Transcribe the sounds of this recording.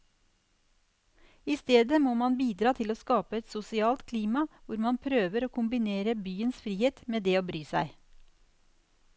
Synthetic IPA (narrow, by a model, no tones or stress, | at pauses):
iːst̪eːd̪əmoːmɑnbiːd̪ɾɑːt̪ʰɪloːskɑːpəɛt̪sʊsɪɑːlt̪kʰliːmɑʋʊɾmɑnpʰɾøːʋəɾoːkʰʊmbɪneːɾəbyːənsfɾiːheːt̪meːd̪eːoːbɾyːsæ̰ɪ